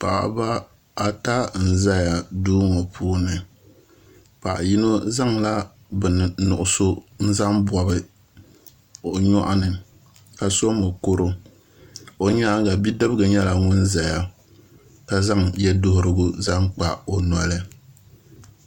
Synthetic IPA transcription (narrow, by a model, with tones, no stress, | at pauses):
pa̰˨ʔa̰˨ba˦ | a˦ta˦n̩˨za˦ja˨duː˦ŋo˨pʰuː˦nɨ˨ | pa˨ʔji˦no˦za˦ŋla˦ | bɨ˨n˨nʊ̰˨ʔʊ˨so˦n̩˦za˦mbwa˨bɨ˦ | o˨ɲɔ˦ʔa˦nɨ˨ | ka˨so˦mɨ˨ko˦ɾo˦ | o˨ɲa˦ɡa˨bi˦dɨ˦bɨ˦ɡɨ˨ɲɛ˦la˨ŋʊ˦nza˨ja˨ | ka˦za˦ŋjɛ˦dʊ˦hʊ˦ɾɨ˦ɡʊ˦za˦ŋk͡pa˨o˨nɔ˨lɨ˦